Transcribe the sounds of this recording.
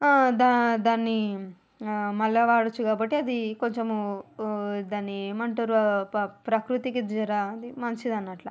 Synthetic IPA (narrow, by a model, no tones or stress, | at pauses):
d̪ad̪aːnːi | mɐlːɐʋaːɽut͡ʃːukaːbɐʈːiɐd̪ikoɲt͡ʃemu | d̪aːnːimɐɳʈuɾɐpɾɐkɾut̪ikid͡ʒɐɾaɐd̪imɐnɐt͡ʃid̪ɐnːɐʈlɐ